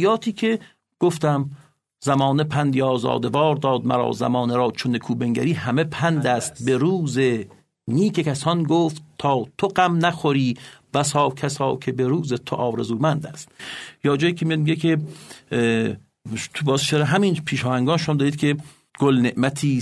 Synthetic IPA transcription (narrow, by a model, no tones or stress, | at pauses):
jɒːt̪ʰiːkʰe̞ | ɡ̥oft̪æm | zæmɒːnepʰænd̪jɒːzɒ̰ːd̪evɒːɾd̪ɒːd̪̚mæ̰ɾɒ̰ːzæ̰mɒːneɾɒːt͡ʃʰonekʰuːbeŋɡæ̰ɾiːhæmepʰænd̪æst̪̚beɾuːze | niːkʰe̞kʰæsɒnɡoːft̪ʰːɒːt̪ʰoɢæmnæxoɾiːbæsɒːkʰæsɒːkʰe̞beɾuːzet̪ʰoʔɒːɾezuːmænd̪æst̪jɒːd͡ʒɒːjiːkʰemijɒd̪̚miɡekʰe | t̪ʰbɒːzʃeɾeɦæmiːnpʰiːʃɒːhæŋɡɒːnʃomɔːd̪ɒːiːd̪̚kʰʲe | ɡ̥olneʔmæt̪ʰiː